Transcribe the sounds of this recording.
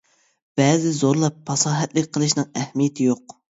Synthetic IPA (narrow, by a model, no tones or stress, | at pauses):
b̥ɛːzɪzoɾlˠɑpːɑsɑːɦɛt̪lɪkʲqʰəlˠɨʃnɨŋɛhmijɛt̪ʰɪjoq